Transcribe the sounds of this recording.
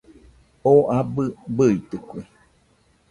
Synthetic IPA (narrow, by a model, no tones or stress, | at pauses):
oʔabɨbɯit̪ɨkʷi